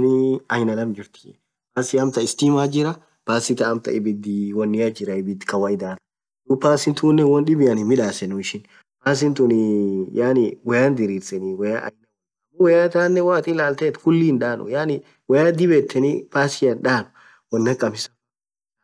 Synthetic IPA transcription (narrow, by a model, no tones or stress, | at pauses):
niɐjnɐlɐmd͡ʒɪɾt̪ɪ̥ | paːsɪɐmt̪ɐɪst̪iːmaːd͡ʒɪɾɐ | paːsɪt̪ɐːmt̪ɐ̰ɪbɪd̪ɪwɔnːɪjad͡ʒɪɾɐɪbɪd̪kɐwɐjd̪aːt̪ɐ̥ | d̪upaːsɪnt̪uːnːɛwɔnɗɪbɪjɐnɪmɪᶑaːsɛnʊɪʃɪn | paːs̬ɪnt̪unɪjaːnɪwɔjaːnd̪ɪɾiːɾsɛniwɐja̰ʔɐ̰jnɐw | ɐʊwɔjat̪aːnːɛwaːt̪ʼilaːlt̪eːt̪fʊlːiːnᶑaːnʊ̰jaːnɪ | wɐjaːd̪ɪbet̪ʰːɛnḭpaːsɪjɐnᶑaːm | wɔnːɐkʼːɐmɪsɐ